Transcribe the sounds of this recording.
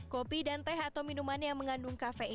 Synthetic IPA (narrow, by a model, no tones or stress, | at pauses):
kopidant̪ɛɦat̪awminumanjaŋməŋanduŋkafe